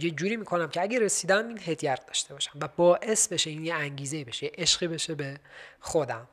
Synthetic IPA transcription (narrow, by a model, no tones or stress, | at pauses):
jed͡ʒuːɾiːmiːkʰo̞næmcʰeæɟeɾesiːd̪æmiːnɦed̪jæɾ̚d̪ɒːʃt̪ʰe̞bɒːʃæ̥mvæbɒːʔe̞sbe̞ʃe̞iːnjeæɲɟiːzeibe̞ʃejeʔeʃɢiːbe̞ʃebexo̞d̪æm